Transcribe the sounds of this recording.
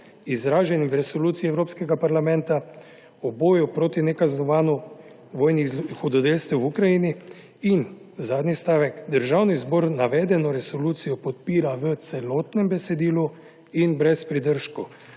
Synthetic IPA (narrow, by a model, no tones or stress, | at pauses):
izɾaːʒɛnimvɾɛsoluːt̪siiɛwɾoːpskɛɡapaɾlamɛnt̪a | ɔboːjupɾoːt̪inɛkaznɔʋaːnɔ | ʋoːjnixɔd̪ɔd̪elst̪ɛwukɾajini | in | zaːd̪nist̪aːʋɛkd̪əɾʒaːwnizbɔːɾnaʋɛːd̪ɛnɔɾɛsɔluːt̪sijɔpɔt̪̚piːɾaʋət̪sɛloːt̪nɛmbɛsɛd̪iːlu | inbɾɛspɾid̪əɾʃkɔ